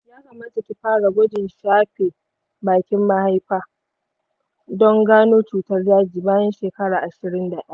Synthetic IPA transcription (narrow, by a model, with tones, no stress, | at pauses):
jaː˦kɐ˨maː˦ta˨tʲu˦ɸaː˦ɽa˨ɡʷɔ˦dɪ˨nʃaː˦ɸeː˨ | baː˨kʲɪ˦mːa˦ha˦jɸaː˦ | dɔ˦ŋɡaː˦noː˦t͡ʃuː˨tɐ˦rjaː˦d͡ʒiː˨baː˦jɛ˦nʃeː˨kɐ˦ɽaː˨ʔa˨ʃɪ˨ɾɪ˦nda˨ɗɐ̰˦a˦˨